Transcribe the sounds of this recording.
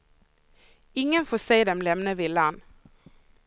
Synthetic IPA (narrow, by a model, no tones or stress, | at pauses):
ɪŋənfoːseːd̪ɛmlɛmnəʋɪːlɑn